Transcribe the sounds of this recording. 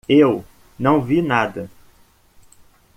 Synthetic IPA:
ew | nɐ̃w̃vinad̪ɐ

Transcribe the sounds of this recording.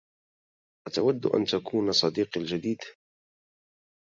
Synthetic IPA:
ʔat̪awad̪̰ːʔa̰nt̪akʰuːnɑsˤɑd̪iːqald͡ʒad̪iːd̪

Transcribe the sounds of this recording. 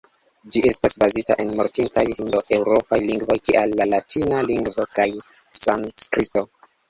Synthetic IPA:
d͡ʒiʔe̞stasbazita̰ʔe̞nmoɾtintajhindoʔe̞wɾo̞pajliŋɡvo̞jkiʔalːalatʰinaliŋɡvokaj | sanskɾito̞

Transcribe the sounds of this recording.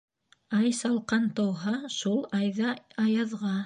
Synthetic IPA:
ɑjsɑlˠqɑnt̪ŏwɦɑʃulˠɑjðɑɑjɑðʁɑ

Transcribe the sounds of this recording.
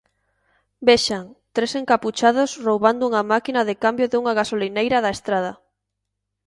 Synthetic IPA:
beʃaŋt̪ɾeseŋkaput͡ʃaðosrowβand̪ʊuŋamakinaðɪkambjoðeuŋaɣ̞asolinejɾaðaest̪ɾað̞ɐ

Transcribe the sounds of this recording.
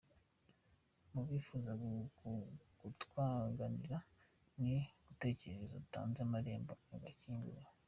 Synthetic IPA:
muβifuːza | ɡutkwaːŋɡaniɾa | niβute̞ːce̞ɾeezouta̰ːnzamaɾe̞ːmboaɡaciːŋɡṵɾa

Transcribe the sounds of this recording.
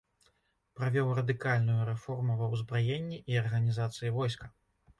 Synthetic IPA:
pɾavʲɔwrɐd̪ɨkalʲnujuɾɛfɔrmuvɐwzbɾɔjenʲːiʔiɐrɣɐnʲizat̪sɨjivɔjskɐ

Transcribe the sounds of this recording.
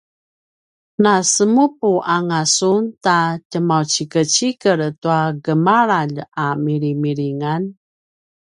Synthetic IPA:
nasəmupuʔaŋasuntacəmawt͡ɕikət͡ɕikəɾtuaɡəmaɾaʎamiɾimiɾiŋan

